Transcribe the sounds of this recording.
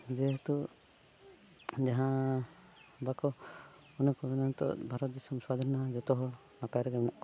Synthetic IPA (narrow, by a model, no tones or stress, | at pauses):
d͡ʒɛɦt̪u | d͡ʒaɦã | bakɔ | ɔnɔkɔbɛnant̪ɔ̰bʱaɾɔt̪̚d̪isɔmswad̪ʱaɾnad͡ʒɔt̪ɔɦɔ | napaaɾɛɡɛmɛnaʔkɔ